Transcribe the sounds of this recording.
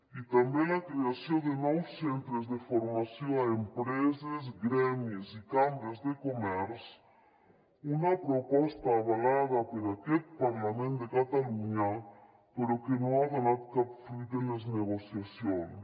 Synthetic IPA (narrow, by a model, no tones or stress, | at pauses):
it̪ambjẽŋlakɾeasjõnd̪enɔwsẽnt̪ɾezðefoɾmasjõŋaempɾezezɡɾemjesikambezðekomɛɾs | unapɾopɔst̪aːβalaðapeɾaket̪̚paɾlamẽnt̪d̪ekat̪aluɲa | peɾokenõŋaβanaðkapfit̪enezneɣosjasjoŋ